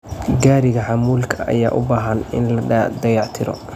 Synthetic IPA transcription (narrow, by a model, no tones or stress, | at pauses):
ɡaːɾɪɣɐħɑmuːlkʰɐʔɐ̰ja̰ːʔʊbaːɦɐnɪ̰nlɐd̪ɐjɑʕt̪ʰɪɾɔ̰